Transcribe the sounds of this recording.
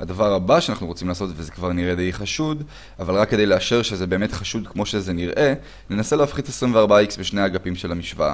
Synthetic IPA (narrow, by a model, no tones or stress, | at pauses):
had̪avaʁabaʃeanaχnuʁot͡simlaːso̞tvezekvaʁniʁed̪ejχaʃud | avalʁakːedejleaʃe̞ʁʃezebeːme̞tχaʃudkmo̞ʃe̞zeniʁʔe̞ | ne̞nase̞leafχidesʁimveaʁbaaiksbeʃnejaɡapimʃelamiʃvaa̰